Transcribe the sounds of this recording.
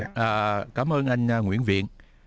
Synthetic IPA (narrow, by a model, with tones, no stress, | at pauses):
ʔaː˨˩kaː˨˦mʔəː˧nʔa˧jŋ̟a˧ŋwḭ˧˥ənvḭ˧˨ən